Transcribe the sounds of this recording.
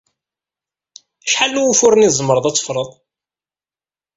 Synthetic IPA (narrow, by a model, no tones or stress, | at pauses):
æʃħalnuwufʊɾənizˤəmɾˤəðˤæt͡sːə̥fɾˤəðˤ